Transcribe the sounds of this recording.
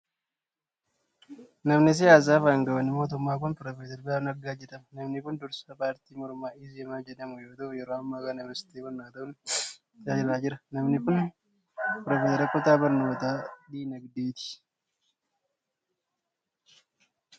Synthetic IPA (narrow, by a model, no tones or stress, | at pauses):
nɐmnɪs̬ɪjaːs̬aːfaːŋɡɐbɐnːɪmo̞ːt̪̬ʊmːaːk̬ʊnpɾoːfeːt̪ɛɾbɪaːfnɐɡaːd͡ʒɛᶑ̪ɐmɐnɐmnɪkʊnd̪ʊɾsɐpaːɾt̪iːmɔɾmaːɪsɛmaːd͡ʒɛᶑɐmʊjo̞ːt̪ɐʔʊjɛɾoːɐmːaːkɐnɛmɐɾsɪ̥t̪eːbɔɾnaːt̪ɐʔʊn | t̪ɪaːd͡ʒɪɾaːd͡ʒɪɾɐnɐmnɪkʊn | pɾoːfeːsɐɾɐkʼʊt̪aːbɐɾno̞ːt̪aːd̪iːnɐɡd̪eːt̪ɪ̥